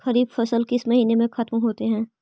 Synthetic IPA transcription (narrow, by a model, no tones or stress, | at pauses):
xɐɾiːbfɐsəlkɪsmɐɦiːnemẽxɐt̪mɦoːt̪eɦɛ̃ː